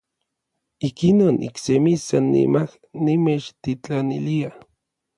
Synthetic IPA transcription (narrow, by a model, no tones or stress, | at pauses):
ikinoːnḭksemisanːḭmah | nimet͡ʃt̪it͡ɬanilia